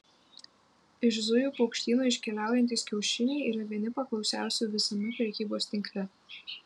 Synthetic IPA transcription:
ɪʃzʊjuːpɔʊkʃʲt̪ʲiːnoːɪʃʲkʲɛlʲæˑʊjɛnʲt̪ʲiːskʲɛʊʃʲɪnʲɛɪiːɾɐʋʲiɛnʲɪpɐklˠɒʊsʲæˑʊsʲuːʋʲɪsɐmʲɛpʲɾʲɛkʲiːboːsʲt̪ʲɪŋʲklʲɛ

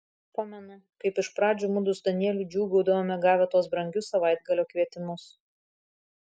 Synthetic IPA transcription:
pɑːmʲɛnʊkɐɪpɪʃpɾɑːd͡ʒʲuːmʊd̪ʊsd̪ɐnʲiɛlʲud͡ʒʲuːɡɐʊd̪ɐʋoːmʲɛɡɑːʋʲɛt̪uɔs̬bɾɐŋʲɡʲʊsɐʋɐɪd̪̚ɡɐlʲoːkʋʲiɛt̪ʲɪmʊs

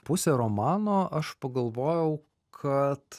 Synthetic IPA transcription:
pʊsʲeɾoːmɑːnoːʔɐʃpɐɡɐlˠʋoːjɛʊ | kʰɐt̪

